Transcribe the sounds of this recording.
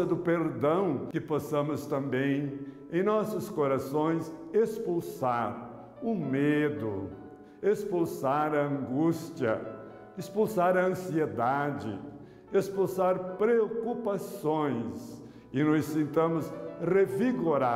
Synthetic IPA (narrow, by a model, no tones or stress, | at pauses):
ɐd̪ʊpeɾd̪ɐ̃w̃kɪpɔsɐ̃mʊst̪ɐ̃mbẽj̃ | ẽj̃nɔsʊskoɾasõj̃sespulsaɾ | ʊmed̪ʊ | espulsaɾɐɐ̃ŋɡust͡ʃiɐ̰ | espulsaɾɐɐ̃sied̪ad͡ʒɪ̰ | espulsaɾpɾeokupasõj̃s | ɪnɔssẽnt̪ɐ̃mʊsreviɡoɾa